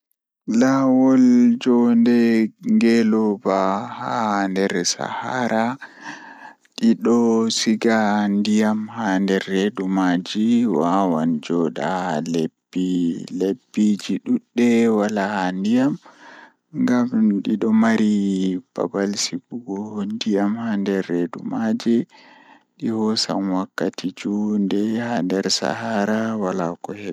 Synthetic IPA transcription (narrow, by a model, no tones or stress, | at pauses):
lawɔld͡ʒɔndɛŋɡɛlɔbahandɛɾɛsa̰haɾa | ɗiɗɔsiɡandijamhandɛɾɛɗumad͡ʒiwawand͡ʒɔɗa̰lebːilebːid͡ʒiɗuɗːɛwalahandijam | ŋɡamɗiɗɔmaɾib̥a̰balsibuɡɔhndijamhandɛɾːedṵmad͡ʒɛ | ɗihɔsa̰mwakːatid͡ʒundɛhandɛɾsa̰haɾawalakɔhɛ